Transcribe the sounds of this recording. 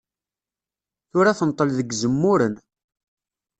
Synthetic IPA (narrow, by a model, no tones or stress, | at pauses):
θʊɾaθənt̪ˤːəlðəɡzəmːʊɾən